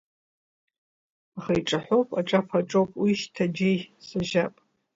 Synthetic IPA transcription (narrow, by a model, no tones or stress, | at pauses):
aχajʈ͡ʂʼaħʷowpʼaʈ͡ʂʼapʰaʈ͡ʂʼowpʼwiʃtʰad͡ʒejsaʒapʼ